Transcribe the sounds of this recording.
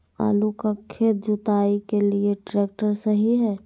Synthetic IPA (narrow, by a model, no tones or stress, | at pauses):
a̰ːlukakʰeːt̪̚d͡ʒʊt̪aːikelieʈɾeːk̚ʈəɾsəɦiɦɛː